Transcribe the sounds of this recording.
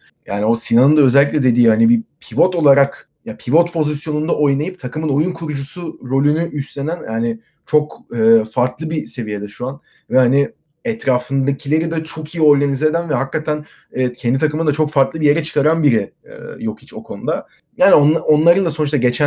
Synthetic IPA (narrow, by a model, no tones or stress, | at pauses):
jʔa̰ːnio̞sinanɯnd̪aøzɛlʲːiclʲɛd̪e̞d̪iːhanibipʰivo̞t̪o̞lˠaɾak | japʰivot̪pʰo̞zisjo̞nund̪aʔo̞jnajɯp̚t̪ʰakɯmɯno̞junkʰuɾud͡ʒusuɾo̞lʲynyʔyst̪lʲe̞nænjaːnɪ | t͡ʃʰo̞kɯːfaɾt̪lˠɯbise̞vije̞d̪ɛʃuan | vɛhani | ɛt̪ʰɾaːfɯnd̪acʰilʲe̞ɾid̪ɛt͡ʃʰo̞kʰijio̞ɾɡanized̪ænvɛɦakːat̪ʰæn | ɛːcʰɛnd̪it̪ʰakɯmɯnd̪at͡ʃʰo̞kfaɾt̪lˠɯbije̞ɾɛt͡ʃʰɯ̥kaɾanbiɾɛɛ̰jo̞kit͡ʃo̞kʰo̞nud̪a | jaːnionao̞nlˠaɾɯnd̪aso̞nuʃt̪aɟe̞t͡ʃʰæ